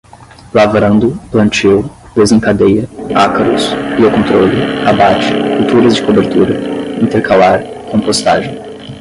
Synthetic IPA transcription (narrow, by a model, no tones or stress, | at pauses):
lavɾɐ̃nd̪ʊplɐ̃t͡ʃiw | d̪̥ezẽŋkad̪ejɐakɐɾʊsiɐkõnt̪ɾolɪabat͡ʃɪ̥fut̪uɾɐzd͡ʒɪkobeɾt̪uɾɐĩnt̪eɾkʰalaɾ | kõpost̪aʒẽj̃